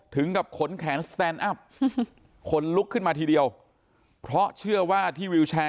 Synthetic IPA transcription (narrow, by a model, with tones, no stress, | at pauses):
t̪ʰɯ˩˦ŋka˨˩p̚kʰo˩˦nkʰɛː˩˦nst̪ɛː˧nʔa˦˥˩p̚ | kʰo˧˥nlu˦˥kʰːɯ˥˩nmaː˧t̪ʰiː˧di˧əw | pʰɾɔ˦˥t͡ɕʰɯ˥˩ɐwaː˥˩t̪ʰiː˥˩wi˧wt͡ɕʰaː˧